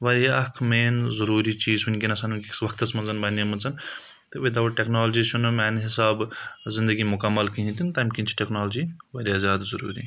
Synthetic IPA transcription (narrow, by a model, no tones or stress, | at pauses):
ʋɐɾiɐkʰmeːnzɐɾuːɾit͡ʃiːzɦunʲkʲinɐsʰɐnunʲkiʋɐkʰt̪ɐt͡smɐnzɐnbɐnemunt͡sɐn | t̪eʋed̪ɐʋoʈeknaːld͡ʒiʃʰunmɛːnɦɪsaːbzɪ̃nd̪əɡimʊkɐmːɐlkiɦĩt̪int̪ɐmkʲinʲt͡ʃʰi̥ʈeknaːld͡ʒiʋɐɾiazʲjaːd̪zɐɾṵːɾḭː